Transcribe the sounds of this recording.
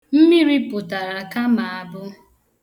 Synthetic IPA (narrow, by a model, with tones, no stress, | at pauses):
m̩˦mi˦ɾi˦pʊ˨ta˨ɾa˨ka˦ma˨a˨bʊ˦